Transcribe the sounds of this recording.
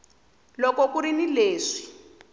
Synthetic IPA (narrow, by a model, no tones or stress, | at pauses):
lɔkɔkuɾinileːʂi̥